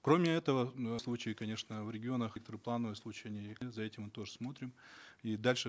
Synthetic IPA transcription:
kɾo̞mʲɪɛt̪əvəslˠut͡ɕɪjɪkɐnʲe̞ʂnəvɾʲɪɡʲɪo̞nəxk̚t̪əɾɨplˠanːəvɨjslˠut͡ɕɪjɐnʲijzɐɛtʲɪmːɨt̪o̞ʐɨsmo̞t̪ɾʲɪmid̪alʲʂɨ

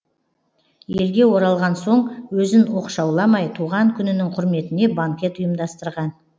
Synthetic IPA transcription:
je̞lɡʲe̞wo̞ɾɑlˠʁɑnso̞ɴwɵzɪnwoqʃɑwlˠɑmɑjt̪ʰuʁɑŋkʲʰʏnɪnɪŋqʰʊɾme̞t̪ɪne̞baŋkʲe̞t̪ʊjəmd̪ɑst̪əɾʁɑn

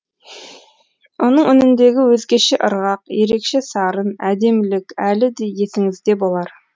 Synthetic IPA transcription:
wonəɴʏnɪnd̪e̞ɡʲɪwɵzɡʲe̞ʃeʔəɾʁɑqje̞ɾe̞kʃe̞sɑɾənæd̪e̞mlɪkʲælɪd̪e̞je̞sɪŋɪzd̪e̞bo̞lˠɑɾ

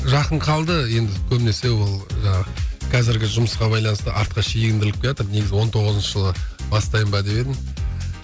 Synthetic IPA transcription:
ʒɑqəɴqʰɑlˠd̪əje̞nd̪ɪkʲʰɵbɪne̞se̞wolˠʒɑɴɑʁəqʰɑzɪɾɡʲɪʒʊməsqɑbɑjlˠɑnəst̪əʔɑɾt̪̚qɑʃejɡʲɪnd̪ɪlɪk̚kʲe̞ɾɑt̪əɾne̞ɡʲɪzɪwo̞nt̪ʰo̞ʁəzənʃəʒəlˠəbɑst̪ɑjəmbɑd̪e̞pe̞d̪ɪm

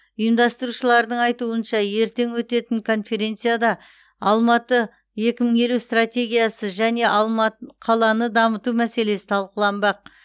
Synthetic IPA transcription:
ʊjəmd̪ɑst̪əɾuʃəlˠɑɾd̪əɴɑjt̪uənʃɑje̞ɾt̪e̞ŋwɵt̪e̞t̪ɪŋkʰo̞nfe̞ɾʲe̞nt̪sɨjad̪ɑ | ɑlˠmɑt̪ə | je̞kʲɪməŋe̞lust̪ratʲe̞ɡʲijasəʒæne̞ʔɑmɑqʰɑlˠɑnəd̪ɑmət̪umæse̞le̞sɪ̥t̪ʰɑlˠqəlˠɑnbɑq̚

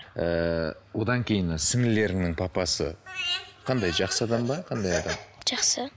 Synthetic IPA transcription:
əwo̞d̪ɑŋkʲʰe̞jɪnɪsɪŋɪle̞ɾɪŋnɪŋpʰɑpɑsə̰qʰɑnd̪ɑjʒɑqsəɑd̪ɑmbɑqʰɑnd̪ɑjɑd̪ɑmʒ̥ɑqsə

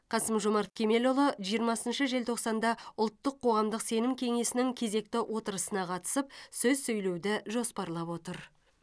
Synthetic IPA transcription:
qʰɑsəmʒomɑɾt̪̚kʲʰe̞me̞lolˠoʒijəɾmɑsənʃəʒe̞lt̪ʰo̞qsɑnd̪ɑʊlˠt̪ːəqʰːo̞ʁɑmd̪əqse̞nɪmkʲʰe̞ŋe̞sɪnɪŋkʲʰe̞ze̞k̚t̪ɪwʔo̞t̪əɾəsənɑqʰɑt̪ə̥səp̚sɵzsɵjle̞wd̪ɪʒo̞spɑɾlˠɑpwo̞t̪əɾ

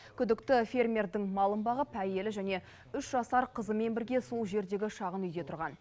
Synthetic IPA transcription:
kʲʰʏd̪ɪkt̪ɪfʲe̞rmʲe̞rd̪ɪŋmɑlˠəmbɑʁəpʰæje̞lɪʒæne̞ | ʏʃʒɑsɑɾqʰəzəme̞nbɪɾɡʲe̞so̞lˠʒe̞ɾd̪e̞ɡʲɪʃɑʁənʏjd̪e̞t̪ʰʊɾʁɑn

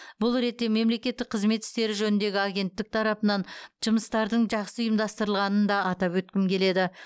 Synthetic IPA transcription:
bʊlˠɾe̞t̪ːe̞me̞mle̞kʲe̞t̪ːɪk̚qʰəzme̞t̪ːɪ̥st̪e̞ɾɪʒɵnɪnd̪e̞ɡʲɪaɡʲe̞nt̪ːɪk̚t̪ʰɑɾɑpənɑnʒ̥ʊməst̪ɑɾd̪əɴʒɑqsəʊjəmd̪ɑst̪əɾəlˠʁɑnənd̪ɑːt̪ɑpwɵt̪̚kʲɪmkʲʰe̞le̞d̪ɪ

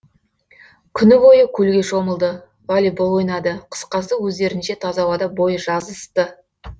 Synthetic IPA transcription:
kʲʰʏnɪbo̞jəkʲʰɵlɡʲe̞ʃo̞məlˠd̪ə | vɑlibolˠo̞jnɑd̪əqʰə̥sqɑsd̪əwɵzd̪e̞ɾɪnʃe̞t̪ʰɑzɑwɑd̪ɑbo̞jəʒɑzəst̪ə

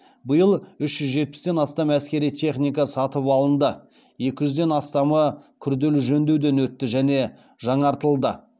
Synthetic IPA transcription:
bəjəlˠʏʃʒ̥ʏzʒe̞t̪̚pɪ̥st̪e̞nɑst̪ɑmæskʲe̞ɾijt̪ʰe̞χnijkɑsɑt̪əpɑlˠənd̪ə | je̞kʲɪʒʏzd̪e̞nɑst̪ɑməkʲʰʏɾd̪e̞lɪʒɵnd̪ewd̪e̞nwɵt̪ːɪʒæne̞ | ʒɑɴɑɾt̪əlˠd̪ə

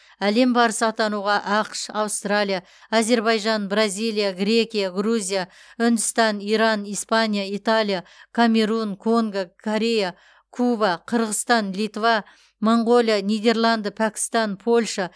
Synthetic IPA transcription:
æle̞mbɑɾəsəɑt̪ɑnuʁɑʔɑqʃɑwst̪ralʲˠija | aze̞ɾbɑjʒɑnbrazʲijlijaɡɾʲe̞kʲijaɡruzʲijaʏnd̪ɪst̪ɑniɾɑnijspanijait̪alʲˠijakʰamʲe̞ɾunkʰo̞ŋɡakʰoɾʲe̞ja | kʰubaqʰəɾʁəst̪ɑnlit̪vɑ | moɴʁo̞lʲjanijd̪e̞rlˠɑnd̪əpʰækʲɪ̥st̪ɑnpʰo̞lʲʃɑ

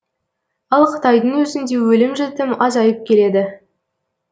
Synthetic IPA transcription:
ɑlˠqʰə̥t̪ɑjd̪əɴwɵzɪnd̪e̞wɵlɪmʒɪt̪ɪmɑzɑjəp̚kʲʰe̞le̞d̪ɪ

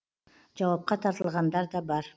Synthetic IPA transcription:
d͡ʒɑwɑp̚qɑt̪ʰɑɾt̪əlˠʁɑnd̪ɑɾd̪ɑbɑɾ

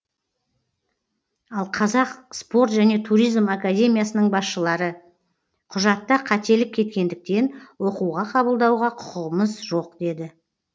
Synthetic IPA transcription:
ɑlˠqʰɑzɑqspo̞rt̪ʒæne̞t̪ʰuɾijzmakad̪ʲe̞mʲijasənəɴbɑsʃəlˠɑɾə | qʰʊʒɑt̪ːəqʰɑt̪e̞lɪp̚kʲʰe̞t̪̚kʲe̞nd̪ɪk̚t̪e̞nwo̞quʁɑqʰɑbəlˠd̪ɑwʁɑqʰʊ̥qəʁəməzʒo̞q̚d̪e̞d̪ɪ

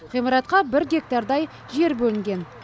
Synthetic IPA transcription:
qʰijmɑɾɑt̪qɑbɪɾɡʲe̞k̚t̪ɑɾd̪ɑj | ʒe̞ɾbɵlɪŋɡʲe̞n

